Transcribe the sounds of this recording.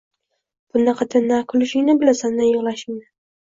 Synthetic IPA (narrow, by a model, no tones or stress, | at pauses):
b̥ʊnːaqʰɑt̪ʰɪnnːakʰʊlɪʃɪŋnɪbɪlasannɪjʊʁlˠaʃɪŋnɪ